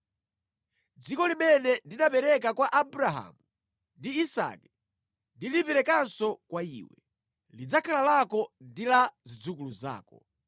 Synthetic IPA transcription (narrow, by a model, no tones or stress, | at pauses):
d͡zikɔlimɛnɛndinapɛɾɛk̬akwaʔabuɾaɦa̰ːmu | ndiːsa̰ːkɛ | ndilipɛɾɛkansɔkwaḭːwɛ | lid͡zakʰalalakɔndilazid͡zukuluza̰ːkɔ